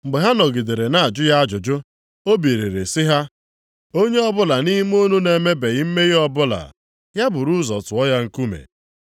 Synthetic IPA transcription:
m̩˨ɡ͡be˨ɦa˦nɔ˨ɡi˨de˨ɾe˨na˨a˨d͡ʒʊ˦ja˦a˦d͡ʒʊ˨d͡ʒʊ˦ | o˦be˨ɾe˨ɾe˨sɪ˦ɦa˦ | o˦ɲe˦ɔ˦bʊ˦la˨ni˦m˦o˦nu˦ne˨me˦be˨ɣi˦m̩˦me˦ɣi˦ɔ˦bʊ˦la̰˨ | ja˦bʊ˨ɾu˦zɔ̰˨tʊ˨ɔ˦ja˦ŋ̩˨ku˦mḛ˨

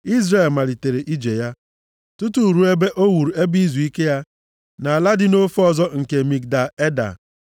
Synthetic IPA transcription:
i˦zɾe˦˨e˨lma˨li˨te˨ɾe˨ʔi˦d͡ʒe˨ja˦ | tu˦tu˦˨ɾu˦e˦be˦ʔo˦wu˨ɾu˨e˦bi˦zu˨i˦ke˦ja˦ | na˨a˨la˦dɪ˦no˦fɔ˦˨zɔ˦ŋ̩˨ke˨mi˨k̚da˨e˦da̰˨

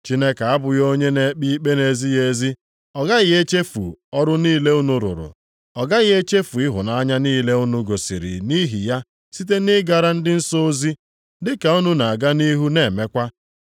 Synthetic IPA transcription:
t͡ʃi˦ne˦ka˨a˦bʊ˨jo˦ɲe˦ne˨˦k͡pi˦k͡pe˦ne˨zi˦je˨zi˦ | ɔ˨ɡa˦ɣɪ˨e˦t͡ʃe˦fṵ˨ɔ˦ɾʊ˦niː˦le˦u˦nʊ˨ɾʊ̰˨ɾʊ̰˨ | ɔ˨ɡa˦ɣɪ˦e˦t͡ʃe˦fu˨ɪ˦ɦʊ̰˨na˦ɲa˦niː˦le˦u˦nu˦ɡo˨sḭ˨ɾḭ˨ni˦ɦi˨ja˦ | si˦t̬e˦nɪ˦ɡa˨ɾa˦n̩˦dɪ˦n̩˦so˦o˦zi˦ | dɪ˦ka˨u˦nu˦na˨a˨ɡa˦ni˦ɦu˦ne˨me˦kʷa˦

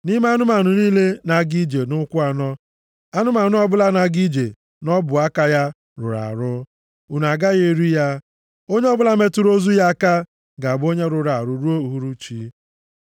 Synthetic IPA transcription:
ni˦me˦a˦nʊ˦ma˨nʊ˨niː˦le˦na˨˦ɡi˦d͡ʒe˨nʊ˦kʷʊ˦a˨nɔ˦ | a˦nʊ˦ma˨nʊ˦ɔ˦bʊ˦la˦na˨ɡi˦d͡ʒe˨ | nɔ˦bʊ˨a˦ka˦ja˦ | ɾʊ̰˨ɾa̰˨ɾʊ˦ | u˨n˨a˨ɡa˦ɣe˦ɾi˦ja˦ | o˦ɲe˦ɔ˦bʊ˦la˦me˦tʊ˦ɾo˦zu˦ja˦a˦ka˦ | ɡa˨bo˦ɲe˦ɾʊ˨ɾa˨ɾʊ˨ɾu˦o˦u˨ɦu˦ɾu˦t͡ʃi˦

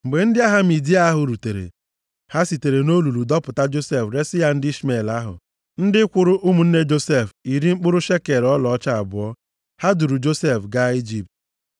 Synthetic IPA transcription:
ŋ͡m̩˨ɡ͡be˨n̩˦dɪ˦a˦ɦa˦mi˨di˦a˦a˦ɦʊ˨ɾu˨te˨ɾḛ˨ | ha˦si˨te˨ɾe˨no˦lu˨ɾu˨dɔ˦pʊ˨ta˦d͡ʒo˦se˦fɾe˦sɪ˦ja˦n̩˦di˦sme˨la˦ɦʊ̰˨ | n̩˦dɪ˦kʷʊ˦ɾʊ˦ʔʊ˦mu˨n̩˦ne˦d͡ʒo˦se˦˨fi˨ɾi˦ŋ͡m̩˦k͡pʊ˦ɾʊ˦ʃe˦ke˨ɾɔ˦lɔ˨ɔ˦t͡ʃa˦a˨bʊ˨ɔ˦ | ha˦du˨ɾu˨d͡ʒo˦se˦˨fɡa˦i˦d͡ʒi˨p̚t

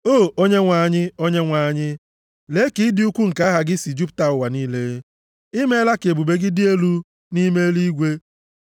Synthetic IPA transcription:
o˦˨o˦ɲe˦ŋʷa˨ɲɪ˦o˦ɲe˦ŋʷa˨ɲɪ˦ | le˨˦ki˨˦dɪ˦u˦kʷu˦ŋ̩˨ka˦ɦa˨ɡɪ˦si˨d͡ʒu˦pta˨ʊ˨wa˨niː˦le˦ | i˦me˦la˦ke˨bu˨be˦ɡɪ˦dɪ˦e˦lu˦ | ni˦me˦li˦ɡʷe˦

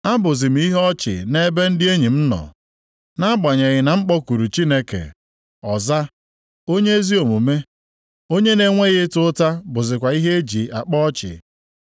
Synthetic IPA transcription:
a˦bʊ˨zɪ˨m̩˨˦i˦ɦɔ˦t͡ʃɪ̰˨ne˦be˦n̩˦dɪ˦e˦ɲi˨m̩˦nɔ̰˨ | na˦ɡ͡ba˨ɲe˨ɣɪ˨na˨ŋ͡m̩˦k͡pɔ˦kʷu˨ɾu˨t͡ʃi˦ne˦kḛ˨ | ɔ˨za˦ | o˦ɲe˦e˦zi˦o˨mu˨me˦ | o˦ɲe˦ne˨ŋʷe˦ɣɪ˦tʊ˦ta˦bʊ˨zɪ˨kʷa˨i˦ɦe˦e˦d͡ʒi˨a˨k͡pɔ˦t͡ʃɪ̰˨

